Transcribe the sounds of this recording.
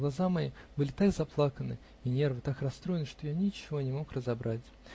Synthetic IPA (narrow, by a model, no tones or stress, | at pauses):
ɡlˠɐzamɐḭbɨlʲɪt̪aɡzɐplˠakənɨ̰ | inʲe̞rvɨt̪akrɐst̪ɾo̞ɪnɨʂt̪o̞janʲɪt͡ɕːɪvo̞nʲɪmo̞krəzɐbɾʔatʲ